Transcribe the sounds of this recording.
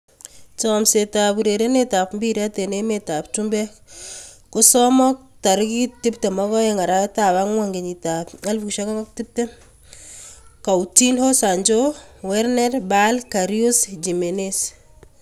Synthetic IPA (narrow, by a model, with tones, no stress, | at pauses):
t͡ʃɔmse˨tabu˨ɾe˨ɾe˦neta˨pmbiɾa˦te˨ne˦meta˨p̚tumbɛ | kʊ˦sɔmɔ˦k̚ta˨ɾkitɪ˦pte˨mɔɡɔ˦jeŋa˨ɾa˦ta˨βaŋwa˦ŋɡe˨ɲi˨ta˨pŋa˦lfu˨kʃaka˦ŋa˦k̚tip̚te˦ | ka˨wtinho˦sa˨ɲd͡ʒowɛɾnɛɾbalka˨ɾiusd͡ʒi˨me˨nes